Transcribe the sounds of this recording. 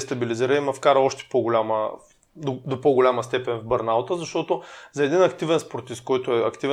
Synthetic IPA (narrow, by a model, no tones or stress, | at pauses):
st̪ɐbiliziɾəimɐfkaɾəɔʃt̪ɛ̥poɡolʲamə | d̪od̪opoɡʊlʲaməst̪ɛpɛnvbɐɾnalˠt̪əzɐʃt̪ɔt̪ozɐɛd̪inɐkt̪ivɛnspoɾt̪iskːɔjt̪ʊɛɐkt̪ivɛ